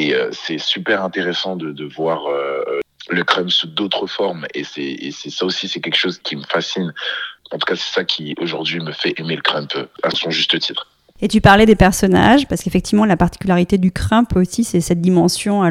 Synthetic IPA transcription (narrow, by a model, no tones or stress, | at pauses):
eø̰sɛsypɛʁɛ̃t̪eʁesɑ̃d̪əd̪əvwaʁø | ləkχɛ̃mpsud̪ot̪χəfɔʁmesɛḛsɛsaosisɛkʲɛlkʃozkʲʰiməfasinɑ̃t̪u̥kasɛ̥sakʲʰioʒuʁd̪ɥiməfɛʔemeləkχɛ̃pa̰sɔ̃ʒyst̪ət̪ʰit̪χ | et̪ypaʁlɛd̪epɛʁsɔna̰ʒpaʁsəkefɛk̚t̪ivmɑ̃lapaʁt̪i̥kʲylaʁit̪ed̪ykχɛ̃posisɛsɛt̪̚d̪imɑ̃sjɔ̃a